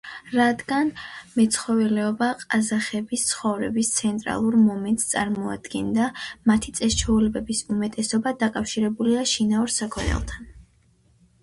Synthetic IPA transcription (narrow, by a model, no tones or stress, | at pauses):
ɾad̪ɡanmɛt̪sʰχɔvɛlɛɔbaqʼazaχɛbist̪sʰχɔvɾɛbist̪sʰɛnt̪ʼɾa̰lˠuɾmɔmɛnt̪ʼst̪sʼa̰ɾmɔa̰d̪ɡɛnd̪amat̪ʰit̪sʼɛst͡ʃʰɔulɛbɛbisumɛt̪ʼɛsɔbad̪akʼafʃiɾɛbuliaʃinauɾsakʰɔnɛ̰lˠt̪ʰan